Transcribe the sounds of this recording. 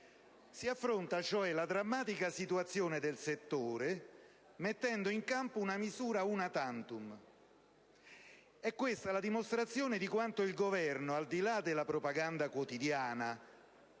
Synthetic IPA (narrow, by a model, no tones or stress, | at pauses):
siafːɾont̪at͡ʃoɛlad̪ɾamːaːt̪ikasit̪uat̪sːjoːned̪elset̪ːoːɾe | met̪ːɛnd̪oiŋkampounamizuːɾaunat̪ant̪um | ɛkːwest̪alad̪imost̪ɾat̪sːjoːned̪ikwant̪oilɡovɛrnoald̪ilad̪elːapɾopaɡand̪akwot̪id̪jaːna